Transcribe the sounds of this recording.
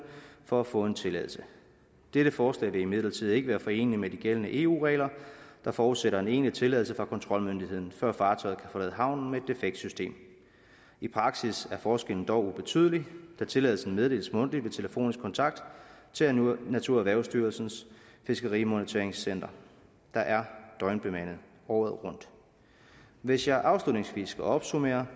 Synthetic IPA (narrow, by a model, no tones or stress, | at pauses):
fɒ̽æfɔ̰̽ːe̝nt͡sʰe̝lɛ̰ðˠl̩sə | d̥eɾ̥əfɒːslɛ̰ːʋe̝ime̝ðˠlɐt͡sʰið̞̰ˠe̝ɡ̥əʋæːɐfɒ̽e̝̰ːnlimed̥iɡ̥elənəʔe̝ːṵːʁɛ̰ːlɐd̥ɑ̈fɒːuðˠseɾɐe̝ne̝̰ːnlit͡sʰe̝lɛ̰ðl̩səfʁɑ̈kʰɒ̽nt͡sʰʁɒ̽lmønd̥iɦe̝ð̰ˠn̩fɶɐ̰fɑ̈ːt͡sʰɒ̽ɪð̩ˠkʰæfɒ̽lɛ̰ːð̩ˠəɦɑ̈ʊ̰nn̩mee̝d̥e̝feɡ̥̚d̥sysd̥e̝̰ːm | ipʰʁɑ̈ɡ̥sisæɐfɒːsɡ̥el̰n̩d̥ɒʊub̥e̝t͡sʰy̰ðˠlid̥æt͡sʰe̝lɛðˠl̩sn̩með̞ˠd̥e̝ːləsmɔ̽n̰d̥liʋe̝t͡sʰe̝ləfo̝̰ːnisɡ̥kʰɒ̽nt͡sʰɑ̈ɡ̥̚d̥ | t͡sʰe̝næt͡sʰuɐ̰æʋæɐʊsd̥yːɐlsn̩sfe̝sɡ̥ɐʁimo̝nət͡sʰe̝ɐeŋsen̰d̥ɐ | d̥ɑ̈ʔæɐd̥ɒ̽ɪnb̥e̝mæn̰ð̩ˠ | ɒʊð̩ˠʁɔ̽n̰d̥ | ʋe̝sjɑ̈ɪʔɑ̈ʊslud̥ne̝ŋsʋḭːsɡ̥ʰæɒ̽b̥sume̝̰ːɐ